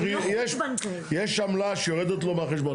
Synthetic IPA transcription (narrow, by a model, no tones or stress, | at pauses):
ijɛʃ | jɛʃamlaʃejoʁɛd̪et̪lomeaχeʃbo